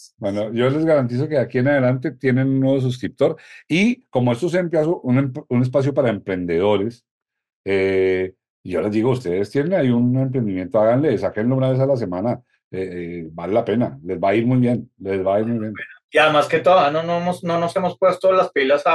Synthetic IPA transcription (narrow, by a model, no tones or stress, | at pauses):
bwenoʝo̞le̞zɣaɾant̪̬is̬o̞ke̞akie̞naðe̞lant̪e̞t̪je̞nenunːweβos̬us̬kɾip̚t̪o̞ɾiko̞moe̞st̪os̬eempjas̬oʔuneune̞s̬pas̬jopaɾaempɾe̞nd̪e̞ð̞o̞ɾe̞s | e | iʝo̞le̞zd̪iɣo̞ust̪eðest̪je̞nenaiune̞mpɾend̪imje̞nt̪oaɣanle̞sakenlounaβe̞s̬alas̬e̞mana | ebale̞lape̞nale̞zbaiɾmujβje̞nlezβaiɾmujβje̞niamasket̪oðanonoemosnonose̞mospwe̞st̪olaspilasa